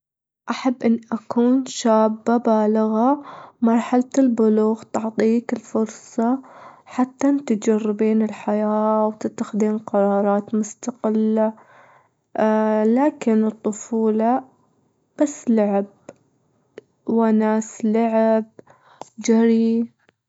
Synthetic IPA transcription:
ʔaħabːʔɪnːʔakuːnʃaːbːabaːlɪɣamɑɾˤħalt̪ɪlbʊluːɣt̪ʊʕt̪ˤiːkɪlfʊɾsˤɑħat̪ːant̪ɪd͡ʒarːɪbiːnɪlħajaːwt̪ɪt̪ːaxɪd̪iːnqɑɾˤɑːɾˤɑːt̪mʊst̪aqɪlːa | laːkɪnɨt̪ˤːʊfuːlɑ | b̥asːlʊʕɪb̚ | wanaːslaʕɪb̚ | d͡ʒaɾi

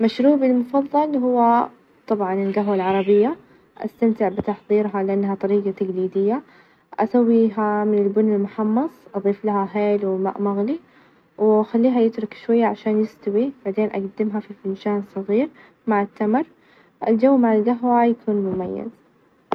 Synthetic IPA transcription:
maʃɾuːbilmʊfɑðˤːɑlɦʊwːa | t̪ˤɑbʕɑnɪlɡaɦwalʕɑɾˤɑbɪjːa | ʔa̰st̪amt̪ɪʕbɪt̪ɑħðˤiːɾɦalɪʔanːɦat̪ˤɑɾiːɡat̪aɡliːd̪ɪjːa | ʔasawːiːɦamɪnɪlbʊnːɪlmʊħɑmːɑsˤʔɑðˤiːflahaɦeːlwɪma̰ːʔmaɣli | wxalːiːɦajɪt̪ɾʊkʃwajːaʕaʃaːnjɪst̪awib̥aʕd̪eːnʔa̰ɡad̪ːɪmɦafifɪnʃaːnsˤɨɣiːɾ | maʕɪt̪ːamɾ | ʔɪld͡ʒawːmaʕɪlɡaɦwajakʰuːnmʊmajːa̰z

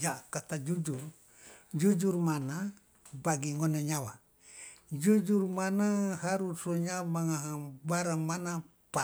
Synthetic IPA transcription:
d͡ʒakat̪ad͡ʒud͡ʒur | d͡ʒud͡ʒuɾmana | baɡiŋoneɲawa | d͡ʒud͡ʒuɾmanahaɾusoɲamaŋaɦabaɾamana | pa

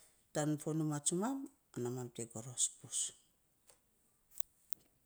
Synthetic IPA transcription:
tanfonumat͡ʃumam | anamamteɡoɾo̞spus

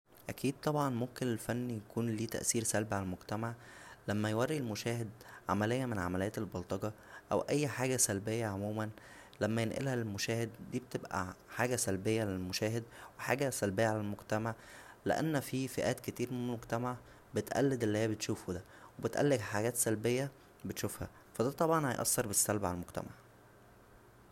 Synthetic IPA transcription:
ʔækʰiːd̪̚t̪ˤɑbʕɑnmomkenelfænːijækuːnliːt̪æ̰ʔsiːɾsælbʕalælmoɡt̪æmaʕlæmːæjwærːielmoʃæːhed̪ʕa̰mælejːæmenʕa̰mælejːæt̪elbɑlt̪ˤɑɡɑ | ʔæ̰wʔæjːħaːɡæsælbejːæʕomuːmæn | læmːæjenʔḛlhælmoʃæːhed̪ːiːbet̪ebʔæ̰ħaːɡæsælbejːæʕalælmoʃæːɦed̪weħa̰ːɡæsælbejːæʕalælmoɡt̪æmaʕlḛʔæ̰nːfifeʔæːt̪ket̪iːɾmeneelmoɡt̪æmaʕ | bet̪ʔæ̰lːed̪elːihejːæbet̪ʃuːfud̪æ | webet̪ʔæ̰lːeɡæħaɡæːt̪sælbejːæ | bet̪ʃufhæ̰ | fæd̪æt̪ˤɑbʕɑnhɑjʔɑ̰sːɑɾˤbesːælbʕalælmoɡ̥̚t̪æ̰ma̰ʕ

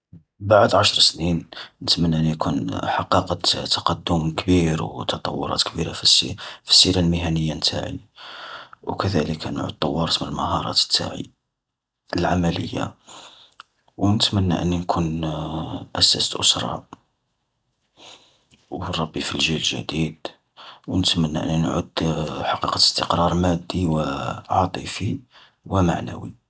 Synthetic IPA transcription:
baʕd̪ʕaʃɾˤsninnət̪mənːʔənːinkʰunħɑqɑqət̪t̪ːɑ̥qɑd̪ːʊmkbiɾwt̪ɑt̪ˤɑ̰wːʊ̰ɾˤɑ̰t̪kbiɾafisfi̥sːiɾalmɪɦænəjːant̪ʰa̰ʕḭ | wkəd̪æləkn̰ʕṵt̪ˤːɑ̰wːɑɾˤt̪mənəlməɦɑɾˤɑ̰t̪ə̥t̪ʰːa̰ʕḭ | əlʕamæləjːa̰ | wnət̪mənːa̰ʔənːinkʰun | ʔæsæ̰səlʔʊsɾˤɑ̰ | wəɾˤɑbːifilʒilʒæ̰d̪id̪ | wnət̪mənːaʔə̰nːinʕṵd̪ħɑqiqɑt̪əst̪əqɾˤɑɾˤmæd̪ːiwəʕɑt̪ˤifi | wəma̰ʕnæ̰wi

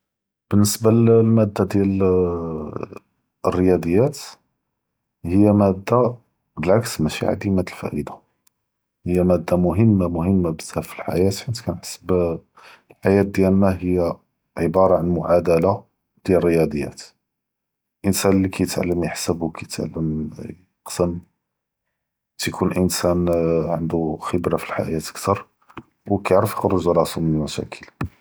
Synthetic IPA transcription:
b̥ənːəsbalmæd̪ːad̪jæl | ərːəjæd̪əjːæt̪ | həjːæmæd̪ːa | bəlʕaksmæʃḭʕa̰d̪imæt̪əlfæ̰ʔəd̪ḁ | həjːæmæd̪ːamʊɦəmːamʊhəmːabəzːæfilħa̰jæt̪ħant̪kænħḁsəb | lħajæt̪̚d̪jælnæɦəjːæ | ʕəbɑɾˤɑʕanmʊʕad̪æla | d̪̥jælrːəjɑd̪ˤəjːæ̰t̪ | ʔənsænlːikʰæjət̪ʕalːəmjəħsəbwkʰæjət̪ʕa̰lːəm | qsəm | t̪jkʰunʔənsænʕənd̪uxəbɾafilħa̰jæt̪ə̥kt̪ɑɾˤ | wkæjʕɾəfjəxɾuʒɾˤɑsumənəlmæʃæ̰kʰəl

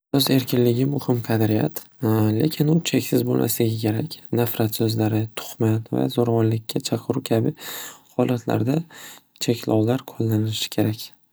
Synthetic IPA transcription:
sɵze̞ɾkʲɪnlɪɡʲɪmʊhɪmqʰɑd̪ɾɪjat̪ | le̞̰kʲʰɪnʊt͡ʃʰekʲsɪzbolmʔa̰saɡʲɪkʲʰe̞ɾakʲnafɾat̪sɵzlaɾɪt̪ʰʊ̥χmat̪va̰zoɾavɒnlɪkʲːat͡ʃʰɑqʰɨɾukʲʰabɪhɒlat̪ʰla̰ɾd̪a | t͡ʃʰekʲʰlɒwlaɾqʰolːanɪɪʃɪ̥kʲʰe̞ɾakʲ

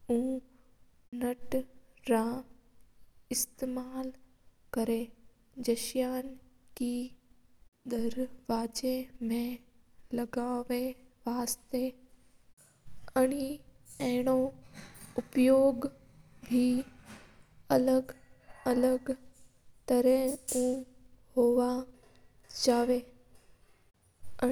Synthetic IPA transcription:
ũː | nɐʈɾã | ɪst̪eːmaːl | kɐɾe | d͡ʒɐʃjaːnki | d̪ɐɾʋaːd͡ʒemẽlɐɡaːʋeʋaːst̪e | ɐɽ̃i | ɛɦɽ̃o | ʊpjoːɡ | bʱi | ɐləɡɐləɡ | t̪əɾẽũːhoːʋa | d͡ʒaːʋe

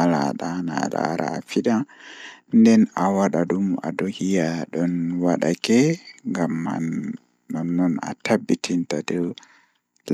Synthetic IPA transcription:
laɗana̰ɗa̰ɾʔa̰ːfiɗa | ndɛnawaɗaɗuma̰dɔhijaɗɔnwaɗakɛŋɡamːa̰nː | anːɔna̰tabːitʰintadɔw | l

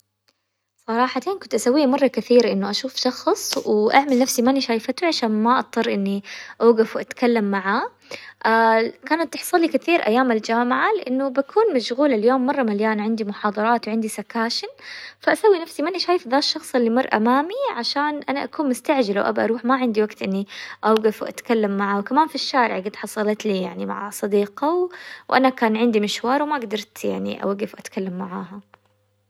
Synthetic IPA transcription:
sˤɑɾˤɑːħat̪eːnkʊnt̪ʔasawːiːmɑrˤːɑkɪθiːɾʔɪnːʊʔaʃuːfʃɑxsˤwɪʔaʕmalnafsimanʔʃaːjfat̪uʕaʃaːnmaʔɑt̪̚ˤːɨrˤːʔɪnːiʔaːɡafwʔat̪kalːamːaʕaː | ʔakaːnat̪ːɪħsˤɑlikɪθiːɾʔa̰jːaːmald͡ʒaːmaʕalɪʔɪnːʊbakʰuːnmaʃɣuːlaljoːmːɑrˤːɑmaljaːnʕɪnd̪imʊħɑːd̪ˤɑɾˤɑːt̪wʕɪnd̪isakaːʃɪnfaʔasawːinafsimanʔaʃaːjɪfðaːʃːɑxsˤɪlːimɑrˤːʔa̰maːmiʕaʃaːnʔanaʔakuːnmʊst̪aʕd͡ʒalawʔabʔɑ̰ɾuːħmaʕɪnd̪iwaɡt̪ʔɪnːiʔawɡafwʔa̰t̪kalːamːaʕawkamaːnfiʃːaːɾɪ̰ʕɡɪd̪ħɑsˤɑlɑt̪liːjaʕnima̰ʕasˤɑd̪iːqɑwwʔanakaːnʕɪnd̪imɪʃwɑːɾˤwɪmaʔɡd̪ɑɾˤt̪ja̰ʕnḭʔa̰waɡɪfwʔat̪kʰalːamːaʕaːɦa

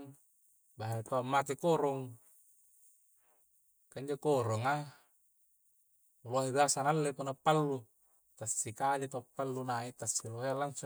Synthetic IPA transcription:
baɦat̪aamːat̪ekoɾɔŋ | kaiɲd͡ʒokoɾoŋa | loɦibasanalːepunapːalːu | t̪asːikadet̪oapːalːunait̪asːiloɦealaŋsu

